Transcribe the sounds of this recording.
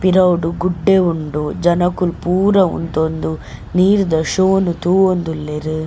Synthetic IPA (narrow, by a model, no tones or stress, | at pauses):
piɾɐwɖuɡuɖːeuɳɖud͡ʒɐnɐkulpuːɾɐṵnt̪ond̪u | niːɾud̪ɐʂoːnut̪uond̪ulːeɾu